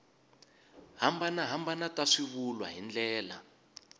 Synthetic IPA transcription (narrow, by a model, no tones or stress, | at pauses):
ɦambanaɦambanatʼaʂiβulwa̰ɦind͡ɮɛːla̰